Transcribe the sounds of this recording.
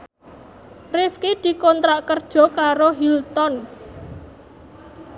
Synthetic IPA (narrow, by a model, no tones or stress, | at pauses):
rɪfkid̪̥i̤kɔnt̪ɾaʔkərd̥ʒ̥ɔ̤kaɾoɦilt̪ɔn